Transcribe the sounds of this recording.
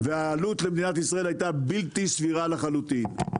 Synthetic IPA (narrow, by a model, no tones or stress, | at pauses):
veaːlut̪lebd̪inat̪isʁae̞lhajt̪abilt̪isviʁalaχalut̪in